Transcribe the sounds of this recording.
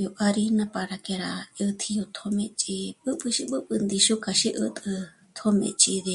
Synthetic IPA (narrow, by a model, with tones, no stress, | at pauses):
jo˧ʔa˧ɾi˧nã˧pa˧ɾa˧ke˧ɾa˧ɨ˧t̪ʰi˧jo˧t̪ʰo˧mẽ˧t͡ʃʼi˧ɓɨ˦ɓɨ˧ʃi˧ɓɨ˦ɓɨ˧nd̪i˧ʃu˦ka˧ʃi˦ʔɨ̰˧t̪ʼɨ˧ | t̪ʰo˦mḛ̃˧ʔt͡ʃʼi˧ðe˧